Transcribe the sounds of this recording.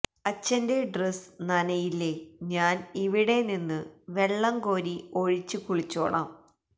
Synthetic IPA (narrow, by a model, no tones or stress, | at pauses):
ɐt͡ɕːɐnde̞ɖresnɐnɐjilːe̞ɲaːniʋiɽe̞ninːɨʋe̞ɭːɐŋɡo̞ːɾio̞ɻit͡ɕːɨkuɭit͡ɕːo̰ːɭa̰ːm